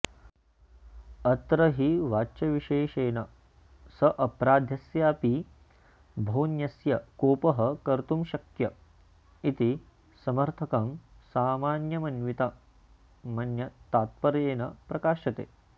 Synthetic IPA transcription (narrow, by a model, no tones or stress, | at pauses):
ɐt̪ɾɐɦiʋaːʃɐʋiʃeːʃeːnɐ | sɐʔɐpɾaːd̪ʱjɐsjaːpi | bʱɐwnjɐsjɐkoːpɐɦɐkɐɾt̪umʃɐkjɐ | it̪i | sɐmɐɾt̪ʰɐkɐmsaːmaːnjɐmɐnʋit̪ɐ | mɐnjɐt̪aːt̪̚pɐɾeːnɐpɾɐkaːʃɐt̪ḛː